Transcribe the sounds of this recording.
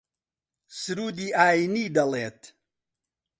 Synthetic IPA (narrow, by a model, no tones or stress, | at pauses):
sɨɾuːd̪iːʔaːiniːd̪ɐleːt̪ʰ